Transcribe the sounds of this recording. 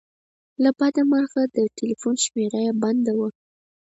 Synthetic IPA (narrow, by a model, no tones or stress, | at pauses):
labɑd̪aməɾxad̪əʈʰelifunʃmeɾajaband̪awa